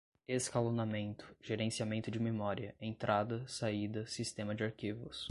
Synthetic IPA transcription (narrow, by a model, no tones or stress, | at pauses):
eskalonamẽnt̪ʊ̥ʒ̥eɾẽsiamẽnt̪ʊd͡ʒɪmemɔɾiɐẽnt̪ɾʔad̪ɐsaid̪ɐsist̪ẽmɐd͡ʒɪaɾkivʊs